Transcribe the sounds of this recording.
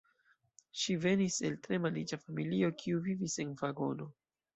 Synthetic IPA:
ʃive̞nise̞ltɾe̞malid͡ʒafamilio̞kʰiuvivise̞nvaɡo̞no̞

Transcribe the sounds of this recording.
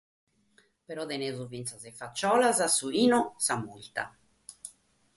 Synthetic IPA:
pɛɾɔd̪ɛnɛzuvint̪sazɛfat͡ʃːɔːlazasuiːnɔsamult̪a̰

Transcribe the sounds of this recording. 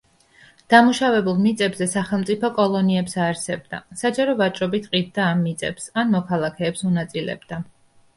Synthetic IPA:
d̪̥amuʃavɛbulˠmit̪sʼɛbzɛsaχɛlˠmt̪sʼipʰɔkʼɔlˠɔniɛpsaːɾsɛb̚d̪a̰sad͡ʒaɾɔvat͡ʃʼɾɔbit̪ʰqʼid̪̚d̪aːmːit̪sʼɛ̰psanmɔkʰalˠakʰɛːpsunat̪sʼilɛ̰bd̪̥a

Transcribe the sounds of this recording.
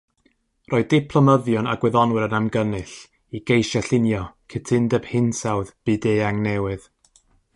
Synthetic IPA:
rʔoːɨðdɪpʰlˠɔməðjɔna̰ɡwɛðɔnwɨɾənamɡənɨɬ | iɡ̥ejʃaɬɪnjɔkʰɪtʰɪndɛb̥hɪnsawðb̥ɨdeaŋnɛwɨð̥

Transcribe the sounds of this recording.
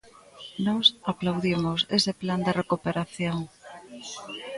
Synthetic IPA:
nɔsaplawðimʊsesɪpland̪erekupeɾaθjoŋ

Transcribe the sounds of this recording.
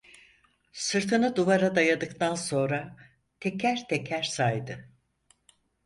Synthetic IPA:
sɯɾt̪ʰɯnɯd̪uvaɾad̪ajad̪ɯkt̪ʰanso̞nɾa | t̪ʰecʰæɾt̪ʰecʰæɾsajd̪ɯ

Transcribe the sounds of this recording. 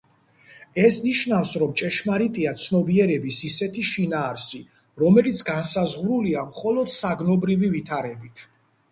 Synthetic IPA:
ɛsniʃnafsɾɔmt͡ʃʼɛʃmaɾit̪ʼiat̪sʰnɔbiɛɾɛbisisɛt̪ʰiʃinaːɾsi | ɾɔmɛlit̪sʰɡansazʁɾuliamχɔlˠɔd̪̥saɡnɔbɾivivit̪ʰaɾɛbit̪ʰ

